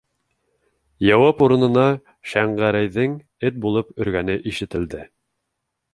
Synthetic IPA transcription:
jɑwɑpuɾɤ̆nɤ̆nɑ | ʃæɴʁæɾæjðɘŋ | ɘt̪̚bulˠɤpɵ̆ɾɡænɘʔiʃɘ̆t̪ɘ̆ld̪ɘ

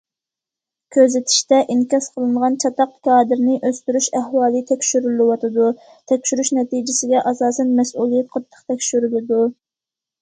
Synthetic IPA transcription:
kʲʰøzɪt̪ʰi̥ʃt̪ɛʔiŋkʲɑsqʰəlˠɨɴʁɑnt͡ʃʰɑt̪ɑq̚kʰɑːd̪ɪɾnɪʔøst̪yɾyʃɛhwɑːlˠɨt̪ʰɛkʲʃyɾylɪwɑt̪ʰɨd̪u | t̪ʰɛkʲʃyɾyʃnɛt̪id͡ʒɪsɪɡʲɛʔɑsɑːsɛnmɛsʔulˠijɛt̪̚qʰɑt̪ʰːə̥χqt̪ʰɛkʲʃyɾylɨd̪u

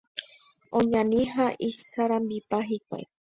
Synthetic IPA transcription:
õɲãnĩɦaʔisaɾãmbipaɦikʷa̰ḛ

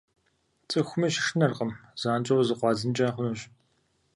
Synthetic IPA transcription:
t͡sʼɨxʷʊmɐʃɪ̥ʂnɐrqəmz̥aːnt͡ʃʼɐwzɨqʷɑːzɨnt͡ʃʼɐnχʷʊnuːɕʼ

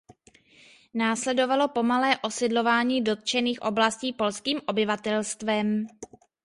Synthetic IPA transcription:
naːslɛdo̞valo̞po̞malɛːʔosɪdlo̞vaːɲiːdo̞t̪̚t͡ʃɛniːxʔo̞̰blasciːpo̞lskiːmʔo̞bɪvat̪ɛlst̪vɛm

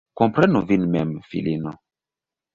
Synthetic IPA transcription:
kompɾɛnuvinmɛmfḭlino

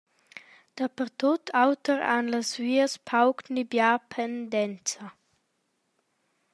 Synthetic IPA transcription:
d̪̥apəɾt̪ot̪ʰawt̪əɾa̰nləsviːəspʰawknibjapʰɛnd̪ɛnt͡sa

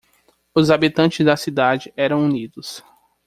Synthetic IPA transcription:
ʊzabit̪ɐ̃nt͡ʃɪzd̪ɐsid̪ad͡ʒɪɛɾɐ̃w̃unid̪ʊs

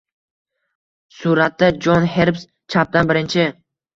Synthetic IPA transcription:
sʊɾat̪ːad͡ʒɒnɦe̞ɾps | t͡ʃʰap̚d̪anbɪɾɪnt͡ʃʰɪ

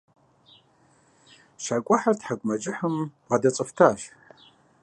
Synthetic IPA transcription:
ʃakʷʼʊħartʰħakʷʼmad͡ʒʼɪħəm | adat͡sʼɨftʰaːʃ

